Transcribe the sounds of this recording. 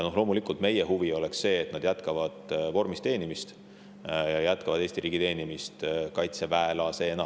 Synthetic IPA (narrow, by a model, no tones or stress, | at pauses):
jɑno̞ɦlo̞ːmulikˑult̪me̞jeɦuvio̞le̞ksːe̞ːt̪nɑd̪̥jæt̪kɑvɑd̪̥vo̞rmist̪e̞ːnimist̪ | jɑjæt̪̚ˑkɑvɑd̪e̞ːst̪iɾiːɡit̪e̞ːnimist̪kɑjt̪se̞væelɑse̞enɑ